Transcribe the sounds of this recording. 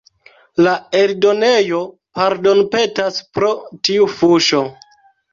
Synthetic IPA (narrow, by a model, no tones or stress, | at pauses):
laeldo̞ne̞jo | paɾdo̞npe̞taspɾo̞tiufuʃo̞